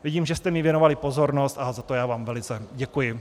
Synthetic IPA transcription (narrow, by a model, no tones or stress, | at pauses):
vɪɟiːmʒɛst̪ɛmɪvjɛno̞valɪpo̞zo̞ɾno̞st̪ʔazat̪ojaːvaːmvɛlɪt͡sɛɟɛkujɪ